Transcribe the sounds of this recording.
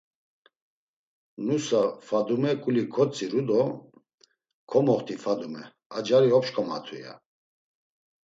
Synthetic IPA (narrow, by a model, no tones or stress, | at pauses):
nusafad̪umɛkʼulikʰɔt͡sʼiɾud̪ɔ | kʰɔmɔχt̪ʰifad̪umɛ | ad͡ʒaɾiɔpʃkʼɔma̰t̪ʰuja̰